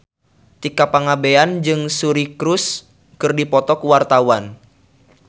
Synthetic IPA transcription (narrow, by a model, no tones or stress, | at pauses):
t̪ikapaŋabeand͡ʒɨŋsuɾikɾus | kɨrdipɔt̪ɔkuwart̪awan